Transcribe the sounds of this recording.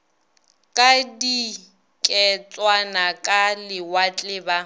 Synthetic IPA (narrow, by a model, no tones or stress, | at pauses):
kʼadi | kʼɛt͡sʼwanakʼalɪwat͡ɬʼɪːba